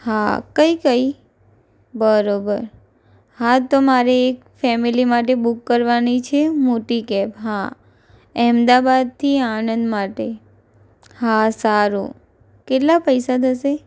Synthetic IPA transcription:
ha̰kəikəi | bəɾobəɾ | hat̪omaɾeːk | fɛmilimaʈebukːəɾʋanit͡ʃʰemoʈikɛpɦa | ɛmd̪abad̪̚t̪ʰianə̃nd̪maʈe | hasaɾṵ | keʈlapəjsad̪ʱəse

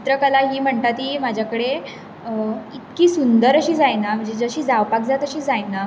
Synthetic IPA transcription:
t̪ɾəkəlaɦiːm̤əɳt̪at̪iːmad͡ʑʱjakəɽe | it̪kiːsund̪əɾəɕiːd͡zajnam̤əɳd͡zed͡zəɕiːd͡zaʋpakd͡zat̪əɕiːd͡zajna

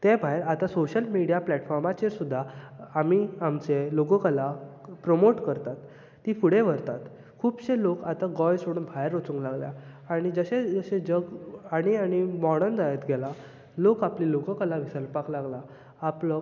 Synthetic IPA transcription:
t̪ebʱaeɾat̪asoɕəlmiɽijaplɛʈfɔɾmat͡ɕeɾsud̪ʱːaːmiamt͡seloɡəkalapɾomoʈkəɾt̪at̪ː | ifuɽẽʋ̤əɾt̪at̪ | kʰuːbɕelokat̪aɡɔjsoɽuːnbʱajəɾːot͡suŋklaɡlja̰ː | ɽ̃id͡zəɕed͡zəɕẽd͡ʑəɡaɽ̃iaɽ̃imɔɽ̃ənd͡zajət̪ɡɛla | lokapliloɡə̃kəlaʋisəɾpaklaɡlaː | plə

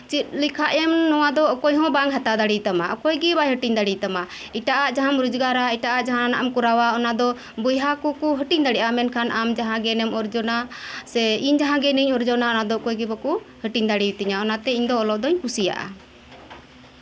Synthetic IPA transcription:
t͡ʃit̪̚likʰaʔɛmnɔwad̪ɔkɔjɦɔ̃baŋɦat̪ad̪aɽit̪amaɔkɔjɡibajɦəʈiɲd̪aɽit̪ama | iʈaʔaʔd͡ʒaɦamɾud͡ʒɡaɾaiʈaʔaʔd͡ʒaɦãnanaʔɛmkuɾawaɔnad̪ɔ | bujɦakɔkuɦəʈiɲd̪aɽiʔamɛnkʰanʔamd͡ʒaɦãɡɛnɛmɔɾd͡ʒɔnasɛiɲd͡ʒaɦãɡɛniɲɔɾd͡ʒɔnaɔnad̪ɔkɔjɡibakuhəʈiɲd̪aɽiwit̪iɲaɔnat̪ɛiɲd̪ɔːlɔʔd̪ɔɲpusija̰ʔa̰

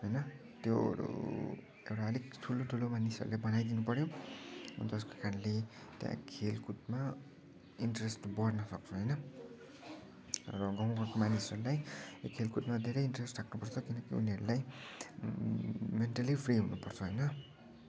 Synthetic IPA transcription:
ɦʌjnʌ | t̪jo̰ɾṵ | ewʈaʌlikʈʰuloʈʰulomanisʌ̰ɾṵlebʌnajd̪inupʌɾjo | ʌ̰nt̪ʌskokʰanlet̪jã̰kʰelkʰut̚ma | iɳʈresʈbʌrnʌsʌk̚t͡sʰuɦʌjnʌ | rʌɡʌm̃kʌrkomanisʌɾulajokʰelkutmad̪ʱeɾʌjinʈresʈraknupʌrt͡sʰʌkinʌkiṵniʌɾulaj | menʈalipʰriɦunupʌrt͡sʰʌɦʌjnʌ

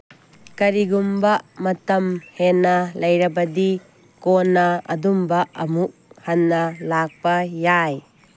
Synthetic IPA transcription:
kɐɾiɡumbɐmɐtɐmhenɐlɐjɾɐbɐdi | konɐɐ̰dumbɐɐmuk̚hanːɐlak̚pɐjaj

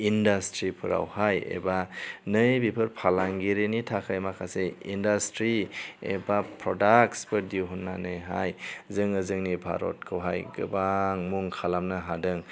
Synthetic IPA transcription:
indastɾipʰɯɾa̰whajḛbanɯjbipʰɯɾpʰalaŋɡiɾenitʰakʰajmakʰaseindastɾiḛbapʰɾɔdak̚sbɯdiwɦunːanɯjɦa̰jzɯŋɯzɯŋnibʱa̰ɾɔ̰t̚kʰɯwɦajɡɯ̰baŋmuŋkʰalamnɯɦadɯŋ

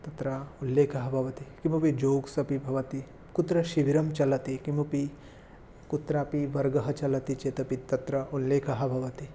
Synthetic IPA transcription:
t̪ɐt̪ɾɐulːeːkʰɐɦɐ̆bʱɐʋɐt̪ikimupid͡ʒoːɡsɐpibʱɐʋɐt̪i | kut̪ɾɐʃiʋiɾɐmt͡ʃɐlɐt̪ikimupi | kut̪ɾaːpiʋɐɾɡɐɦɐt͡ʃɐlɐt̪it͡ʃet̪ɐpit̪ːɐt̪ɾɐunleːkʰɐɦɐ̆bʱɐʋɐt̪i

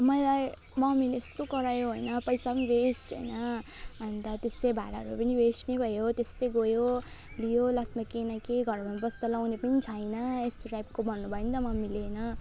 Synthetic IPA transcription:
mʌjla | mʌmileest̪okʌɾajoɦojnʌpʌjsapʌniwesʈɦʌ̰jnʌʌnt̪ʌt̪eslebʱa̰ɾaʌɾupʌniwesʈnebʱʌjot̪esleɡojo | lijolʌsmakenakeɡʱʌrmʱʌnbʌst̪alawnepʌnit͡sʰajnʌesrajb̚kobʱʌnːubʱʌĩnt̪ʌmʌmilenʌ

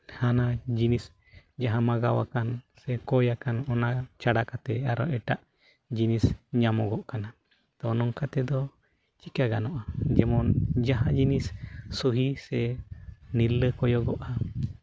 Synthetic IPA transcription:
hanad͡ʒinis | d͡ʒaɦamaɡawa̰kansɛkɔjakanɔnat͡ʃaɽakat̪ɛaɾɔɛʈaʔ | d͡ʒinisɲamɔɡɔʔkana | t̪ɔnɔŋkat̪ɛd̪ɔ | t͡ʃikaɡanɔʔad͡ʒɛmɔnd͡ʒaɦad͡ʒinisːuɦisɛ | nilːəkɔjɔɡɔʔa

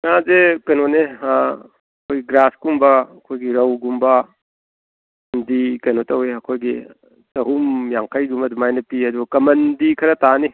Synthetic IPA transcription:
ŋazekɐnone | ɐkʰojɡiɡɾaskumbɐɐkʰojɡiɾɐwɡumbɐ | ndikɐjnotɐɦujɐkʰojɡi | sɐɦumjaŋkʰɐjɡumɐdumajnɐpiɐd̪uɡɐkɐmɐndikʰɐɾɐtani

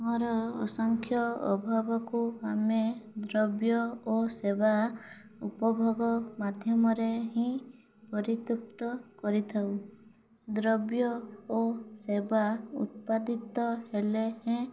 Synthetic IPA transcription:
ɦɔɾɔɔ̰sɔŋkʰjɔɔ̰bʱɔbɔkuamed̪ɾɔbjɔoseba | upɔbʱɔɡɔmad̪ʱjɔmɔɾeɦĩ | pɔɾit̪up̚t̪ɔkɔɾit̪ʰaw | d̪ɾɔbjɔosebaṵt̪̚pad̪it̪ɔhelehẽ

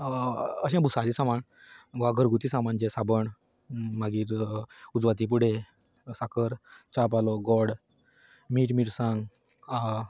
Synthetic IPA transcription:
əɕɛ̃bʱusaɾisamaɳ | ʋaɡʱəɾɡut̪isãmand͡ʑesabəɳ | maɡiːɾud͡zʋat̪̬ip̬uɽ̤e | sakʰəɾt͡ɕap̬alɔɡɔɽ | miːʈmiʈsãŋɡ | a

